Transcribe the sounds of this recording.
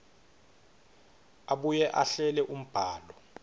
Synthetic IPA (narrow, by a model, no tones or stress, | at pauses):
aɓujɛʔaɬɛlɛʔum̩b̥ʱaːlɔ